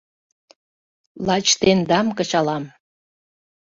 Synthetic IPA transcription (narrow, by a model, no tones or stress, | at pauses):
lɑt͡ɕt̪end̪ɑmkət͡ɕɑlɑm